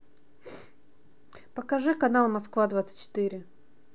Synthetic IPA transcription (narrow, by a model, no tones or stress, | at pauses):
pəkɐʐɨkɐnalˠmɐskvad̪vat̪sə̥t̪ʲt͡ɕɪ̥t̪ɨɾʲɪ